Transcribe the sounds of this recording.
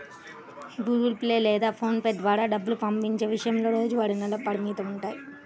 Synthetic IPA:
ɡuːɡulpleːlɛːd̪aːpʰoːnpeɖdʋaːɾaːɖɐbːulupɐmpiɲt͡ʃe̞ːʋiʂɐjɐmlo̞ːɾoːd͡ʒuʋaːɾinɐlɐpɐɾimiːt̪ɐmuɳʈaːji

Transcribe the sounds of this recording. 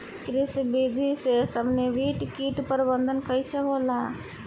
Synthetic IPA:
kɾɪsbid̪ʱisesəbneʋʱiʈkiːʈpəɾbə̃nd̪ʱənkəjseɦoːlaː

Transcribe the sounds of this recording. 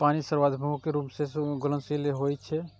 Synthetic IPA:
paːnisəɾwaːd̪ʱbʱəõkeɾuːmseɡʊlə̃nsileɦoːit͡ʃʰɛ

